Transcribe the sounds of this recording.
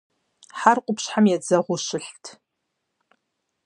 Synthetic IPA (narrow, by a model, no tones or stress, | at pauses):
ħarqʷʼʊpʰʃħamjad͡zɐʁʷʊʃɨɬtʰ